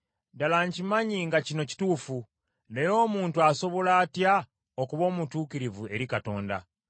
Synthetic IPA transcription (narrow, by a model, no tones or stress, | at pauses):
dalaɲcimaɲiŋɡacino̞ci̥tuːfu | nejo̞ːmuːntuaso̞βo̞laːtja | okuβo̞ːmutuːkiɾivue̞ɾikato̞ːnda̰